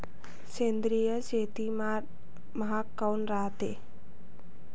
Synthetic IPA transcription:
t͡ʃend̪ɾijəd͡ʒet̪im | məɦakːawnɾaːt̪e

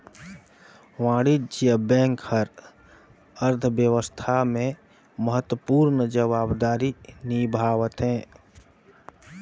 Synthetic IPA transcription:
ʋãːɽid͡ʒijəbɛ̃ːŋkhəɾ | əɾt̪ʰəbjəʋəst̪ʰamẽ | məɦət̪wəpuːɾnəd͡ʒəβaːbd̪aːɾinibʱaːʋət̪ɦɛ̃ː

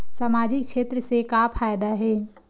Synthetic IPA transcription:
saːmaːd͡ʒɪkʃeːt̪ɾəsekapʰaːjd̪aɦɛː

